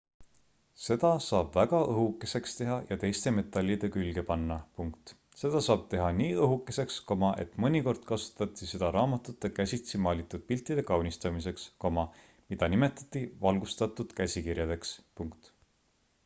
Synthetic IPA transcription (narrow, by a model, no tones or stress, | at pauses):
se̞d̪̥ɑsɑːb̥væɡ̥ɑʔɤɦukːˑe̞se̞kst̪e̞ɦɑjɑt̪e̞jst̪e̞me̞t̪ːˑɑlʲːid̪̥e̞kylɡe̞pɑnːɑpuŋkt̪ | se̞d̪̥ɑsɑːb̥̚t̪e̞ɦɑniːɤɦukːˑe̞se̞ksko̞mɑʔe̞̰t̪mɤnʲiko̞rd̪̥kɑsu̥t̪ːˑɑt̪ːˑise̞d̪̥ɑɾɑːmɑt̪ut̪ːˑe̞kæsʲit̪simɑːlʲit̪ːˑud̪̥̚pilt̪ˑːid̪̥e̞kɑwnʲist̪ɑmis̬e̞ksko̞mɑ | mid̪̥ɑnime̞t̪ːˑɑ̥t̪ːˑivɑlɡ̥ust̪ɑt̪ːˑud̪̥kæsʲikirjɑd̪e̞kspuŋkt̪